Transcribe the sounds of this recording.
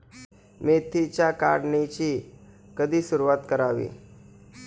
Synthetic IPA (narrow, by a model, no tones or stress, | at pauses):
met̪ʰit͡ɕjaka̰ɽɳet͡ɕiː | kəd̪ʱiːsuɾuʋat̪kəɾaʋḭː